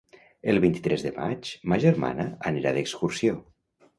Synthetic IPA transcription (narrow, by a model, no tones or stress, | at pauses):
əlˠβint̪i̥t̪ɾɛzðəma̰t͡ʃmaʒəɾma̰nəaneɾaðəkskursjo